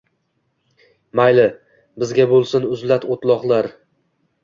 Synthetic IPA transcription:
majlɪ | bɪzɡʲabolˠsɪnʊzlat̪ʰot̪lˠɒχlˠaɾ

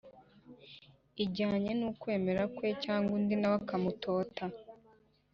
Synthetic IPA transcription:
iɟaːɲe̞nukwe̞ːme̞ɾakwe̞caːŋɡundinaβakamuto̞ːta

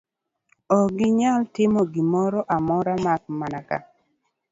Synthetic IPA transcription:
ɔɡɪɲaltɪmɔɡɪmɔɾɔʔamɔɾamak̚manaka̰

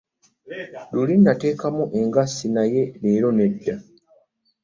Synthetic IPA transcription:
lulindate̞ːkamuʔe̞ŋɡasːinaje̞neːɾo̞ne̞dːa

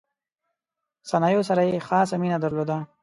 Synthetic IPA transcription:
sanɑjos̬aɾajexɑs̬aminad̪aɾlod̪a

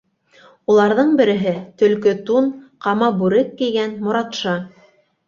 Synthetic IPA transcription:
ulˠɑɾðɤɴbɘ̆ɾɘ̆ɦɘt̪ɵ̆lkɵt̪unqɑmɑbʉɾɘkːĭjɡænmŏɾɑt̪ʃɑ

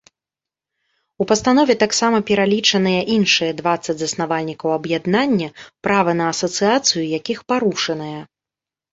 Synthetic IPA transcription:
upɐst̪anɔvʲɛt̪aksamɐpʲɛɾalʲit͡ʂɐnɨjɐʔinʂɨjɐd̪vat̪sːɐd͡zʲzɐsnavalʲnʲikɐwɐbjad̪nanʲːɐpɾavɐnɐːsɐt̪sɨjat̪sɨjujakʲixpaɾuʂɐnɐjɐ

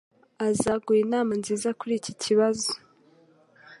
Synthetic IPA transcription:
azaːɡujinaːmanziːzakuɾicicʰiβazo̥

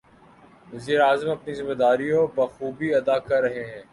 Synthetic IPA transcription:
ʋɐziːɾeaːzəmɐpnizɪmed̪aːɾiõbɐːxuːbiɐd̪aːkɐɾːɐɦeɦɛ̃ː

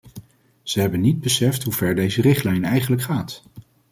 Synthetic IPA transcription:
z̥əɦɛbənːid̚bəsɛftɦuvɛɹdejzərɪχtlɛjnɛjχənləkχaːt

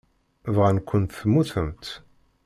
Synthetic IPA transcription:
vʁænkʷːənt̪θəmːuθəmt̪

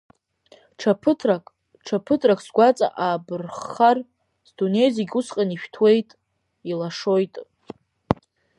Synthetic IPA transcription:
ʈ͡ʂʰapʰɨtʰrakʼ | ʈ͡ʂʰapʰɨtʰʼrakʼʰsɡʷat͡sʼa̰ʔaːbɨrχar | zdune̞jzeɡʲusqʼaniʃᶣtʰwe̞jtʼ | ilaʂo̞jtʼ

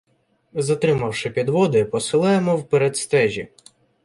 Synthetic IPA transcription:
zɐt̪ɾɪmɐwʃɪpʲid̪ʋɔd̪ɪpɔsɪlˠɑjemɔwpeɾɛd̪st̪ɛʒʲḭ

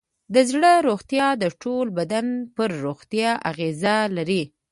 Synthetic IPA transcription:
d̪əzɽəɾoɣt̪jɑd̪əʈolbad̪anpəɾːoɣt̪jɑʔa̰ɣezalaɾi

